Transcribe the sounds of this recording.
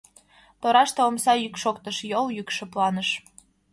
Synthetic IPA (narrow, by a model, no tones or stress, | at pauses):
t̪oɾɑʃt̪eomsɑjykʃokt̪əʃjoljykʃə̆plɑnəʃ